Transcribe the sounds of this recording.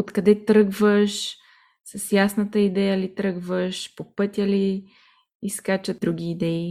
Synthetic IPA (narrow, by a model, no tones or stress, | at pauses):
ot̪kɐd̪ɛt̪ɾɤɡvəʃ | səsjasnət̪əid̪ɛjəlit̪ɾɤɡvəʃpopɤt̪ʲjɐliː | skat͡ʃəɾuɡ̟ʲiːd̪ɛi